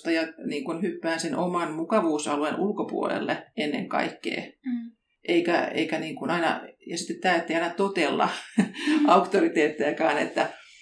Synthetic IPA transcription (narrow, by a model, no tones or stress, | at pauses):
t̪ɑjɑniːŋkunhypːæːnsenʔomɑnmukɑʋuːsɑluenʔulkopṵolḛlːḛenːḛŋkɑ̰ikːḛː | ʔeikæ̰ḛikæniːŋkunɑinɑ̰jɑsi̥t̪ːet̪t̪æːet̪ːeijɑinɑt̪ot̪elːɑ̰ | ɑukt̪orit̪eːt̪ːeækɑːnḛt̪ːæ